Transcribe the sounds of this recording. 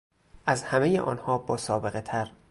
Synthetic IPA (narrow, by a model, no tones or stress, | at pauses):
ʔæzhæmejḛʔɒ̰ːnhɒːbɒːsɒːbe̞ɣet̪ʰæɾ